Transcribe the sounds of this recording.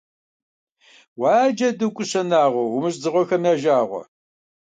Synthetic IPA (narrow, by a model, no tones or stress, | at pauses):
wɑːd͡ʒɐdɨkʷʼʊɕɐnaːʁʷɔwʊmɨɕ̬ʼzɨʁʷɔxɐmjaːʒaːʁʷɔ̰